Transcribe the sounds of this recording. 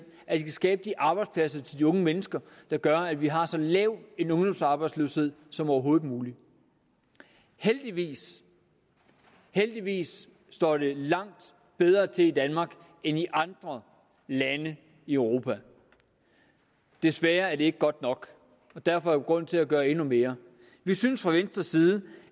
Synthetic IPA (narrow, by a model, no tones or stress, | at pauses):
æd̥ikʰæsɡ̥ɛːb̥əd̥iʔɑ̈ːb̥ɑ̈ɪd̥spʰlæsɐt͡sʰe̝ld̥iɔ̽ŋəmenəsɡ̥ɐd̥ɑ̈ɡ̥ɶɐæʋiɦɑ̈sɒ̽lɛːʊe̝nɔ̽ŋd̥ɒ̽msɑ̈ːb̥ɑ̈ɪd̥sløshe̝ð̞̰ˠsɒ̽mɒʊɐɦo̝ːð̩ˠmuːli | held̥iʋḭːs | held̥iʋḭːsː | d̥ɒ̰ːd̥e̝lɑ̈ŋ̰d̥ | b̥eð̞ˠʁɐːt͡sʰe̝lid̥ænmɑ̈ɡ̥ | eniʔɑ̈nd̥ʁɐ | lænə | iœʊʁo̝pʰæ | d̥e̝sʋæːɐæɐd̥e̝e̝ɡ̥əɡ̥ɒ̽d̥nɒ̽ɡ̥ | ɒ̽d̥æɐfɒ̽æɐɡ̥ʁɔ̽n̰t͡sʰe̝læɡ̥ɶːɐe̝nume̝ːɐ | ʋisynsfʁɑ̈ʋensd̥ʁɐsːiːð̞ˠə